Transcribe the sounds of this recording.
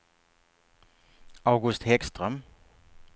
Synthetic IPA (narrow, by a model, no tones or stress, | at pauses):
ɑʊɡɵst̪hɛkst̪ʁœm